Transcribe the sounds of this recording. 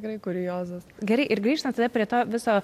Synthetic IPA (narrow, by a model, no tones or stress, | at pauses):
ɪkɾɐɪkʊɾʲɪjoːzɐsɡʲɛɾɐɪʔɪɾɡɾʲiːʃt̪ɐnt̪ɐd̪ɐpʲɾʲiɛt̪oːʋʲɪsoː